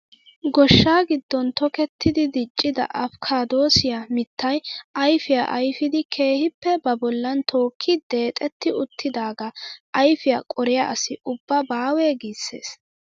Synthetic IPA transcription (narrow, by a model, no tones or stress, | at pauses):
ɡɔʃːaːɡɪd̪ːɔnt̪ɔkɛt̪ʰːɪd̪ɪd̪ɪt͡ʃʼːɪd̪ɐ̰ʔɐfkʰaːd̪o̞ːsɪjamɪt̪ːɐjɐjfɪja̰ʔɐjfɪd̪ɪkʰe̞ːhɪpːɛbɐbɔlːɐnt̪ʰo̞ːkʰːɪd̪e̞ːt̪ʼɛt̪ːɪʊt̪ʰːɪd̪aːɡɐʔɐjfɪjakʼɔɾɪjaʔɐsɪʊbːɐbaːweːɡiːsːe̞̰ːs